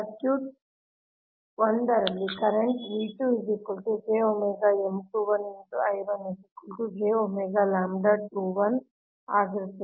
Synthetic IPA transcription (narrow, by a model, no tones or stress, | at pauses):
ɐkjuːʈ̚ | ʋɐnɖɐɾɐlːikɐɾeɳʈʋiːʈuid͡ʒikulʈud͡ʒeːomeɡaːemʈuːʋɐneɳʈuɐjʋɐnesikulʈud͡ʒeːomeɡaːlaːmɖaʈuːʋɐn | aːɡɾesi